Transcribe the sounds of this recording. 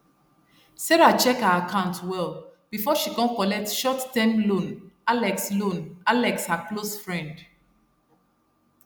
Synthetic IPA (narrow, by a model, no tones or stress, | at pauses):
sɛɹat͡ʃɛkhaakʰãʊ̃ntwɛlb̥ifɔʃikɔ̃nkɔlɛk̚tʃɔtːɛ̃mlõnalɛkslõnalɛkshaklosfɹɛ̃nd